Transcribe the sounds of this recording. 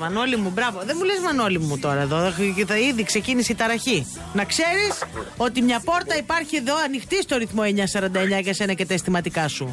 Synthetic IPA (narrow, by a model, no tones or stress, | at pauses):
mɐno̞limubɾɐvo̞ðemulezmɐno̞limut̪o̞ɾɐeðo̞iðikse̞cinisit̪ɐɾɐçi | nɐkse̞ɾiso̞t̪imɲɐpo̞ɾt̪ɐipɐɾçieðo̞ɐnixt̪ist̪o̞ɾiθmo̞e̞ɲɐsɐɾɐnd̪ɐeɲɐʝɐse̞nɐcet̪ɐest̪imɐt̪ikɐsu